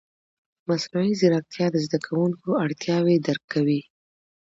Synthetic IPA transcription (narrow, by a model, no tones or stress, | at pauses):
masnuizɪɾak̚t̪jɑd̪əzd̪akʰawuŋkoaɽt̪jɑwed̪aɾkːawi